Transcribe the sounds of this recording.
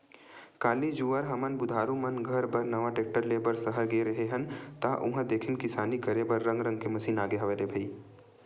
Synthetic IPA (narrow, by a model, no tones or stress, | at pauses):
kaːlid͡ʒuəɾɦɐmənbʊd̪ʱaːɾumɐnɡʱəɾbəɾnɐʋaʈeːk̚ʈəɾleːbəɾsəɦəɾɡeɾɐɦeɦənt̪aʔʊɦə̃d̪eːkʰɪnkɪsaːnikɐɾebɐɾːə̃ŋɡɾə̃ŋɡkemɐsiːnaːɡeɦɐʋed̪ebʱəi